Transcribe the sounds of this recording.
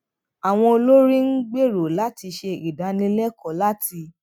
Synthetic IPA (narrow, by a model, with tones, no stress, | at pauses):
a˨w̃ɔ̃˧o˧lo˦ɾĩ˦n̩˦ɡ͡be˦˨ɾo˨la˨˦ti˧ʃe˧i˨da˨˦nĩ˧lɛ˦kɔ˨la˦ti˧